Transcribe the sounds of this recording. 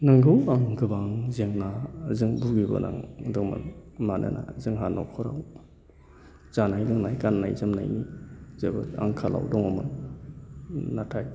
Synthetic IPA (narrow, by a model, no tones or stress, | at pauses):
naŋɡɯwaŋɡɯbaŋzeŋnazɯŋbuɡibɔ̰na̰ŋdɔŋmɯ̰nmanɯ̰nʔa̰zɯŋɦanɔ̰wkʰɔɾa̰w | z̥anajlɯŋnajkanːa̰jzɯmna̰jnizabɯa̰ŋkʰalʔa̰wdɔŋɔmɯn | atʰaj